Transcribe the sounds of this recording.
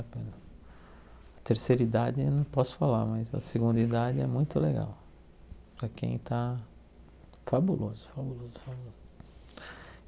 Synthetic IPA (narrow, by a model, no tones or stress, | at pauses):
pẽnɐ | ɐt̪eɾseɾid̪ad͡ʒɪnɐ̃w̃pɔsʊ̥falaɾmɐzɐ̰seɡũnd̪id̪ad͡ʒɪɛmũj̃t̪ʊleɡa̰w | pɾɐkḛ̃j̃t̪a | fabulʔozʊ̥fabulozʊfabulozʊ